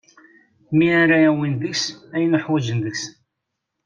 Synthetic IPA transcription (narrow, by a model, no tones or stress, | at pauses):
miaɾaæwinðəksæjənəħwæd͡ʒənðəks